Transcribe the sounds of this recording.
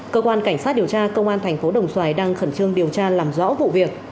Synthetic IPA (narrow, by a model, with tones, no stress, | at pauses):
kəː˧kwaː˧nka˧˩jŋ̟saː˦˥t̚ɗi˨˩əwt͡ɕaː˧kə˧wŋ͡mʔaː˧nt̪ʰɛ˨˩jŋ̟fo˨˦ɗə˨˩wŋ͡mswaː˧˩jɗaː˧ŋxə˧˩nt͡ɕɨ˧əŋɗi˨˩əwt͡ɕaː˧laː˨˩mzɔ̰˧˥vṵ˧˨vi˨˩ək̚